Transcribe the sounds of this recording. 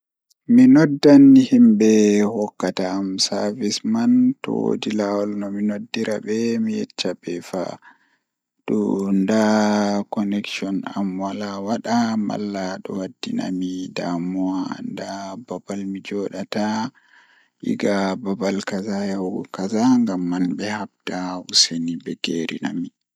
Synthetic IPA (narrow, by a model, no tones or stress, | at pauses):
minɔdːanːihimbɛhɔkːataːmsaɾvismantɔ̰wo̰dilawɔlnɔminodːiɾabɛmijɛ̰t͡ʃːabɛfa̰ | ɗɔndakɔnɛkʃɔna̰mwalawaɗama̰lːaɗɔ̰wadːina̰midamɔandababalmid͡ʒɔɗata | ʔḭɡababalkazajawkazaŋɡamːanbɛhab̚tausenibɛɡeɾḭna̰mi